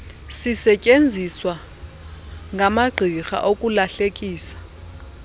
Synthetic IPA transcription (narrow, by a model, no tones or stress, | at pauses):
sisɛcʼend͡zʱiswa | ŋʱamaɡ͡ǃʱixa̰ʔokʼulaɬekʼiːsḁ